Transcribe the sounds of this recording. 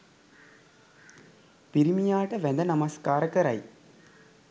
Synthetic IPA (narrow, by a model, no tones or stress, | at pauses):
piɾimijaːʈəʋænd̪ənɐmɐskaːɾəkəɾa̰j